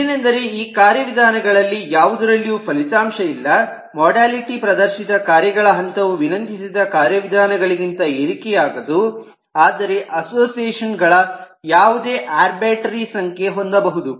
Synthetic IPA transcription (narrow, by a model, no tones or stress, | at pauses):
nɐnd̪ɐɾeiːkaːɾjɐʋid̪ʱaːnɐɡɐɭɐlːijaːʋud̪ɐɾɐlːijuːpʰɐlit̪aːmʃɐilːɐ | mɔːɖaːliʈipɾɐd̪ɐɾʃid̪ɐkaːɾjɐɡɐɭɐɦɐnt̪ɐʋuʋinɐnt̪ʰisid̪ɐkaːɾjɐʋid̪ʱaːnɐɡɐɭiɡint̪ɐeɾikɛjaːɡɐd̪u | aːd̪ɐɾe̞ʔɐsoːsijeːʂɐnɡɐɭɐ | jaːʋud̪e̞ːʔaːɾbaːʈɐɾisɐŋkʰje̞ɦond̪ɐbɐɦud̪u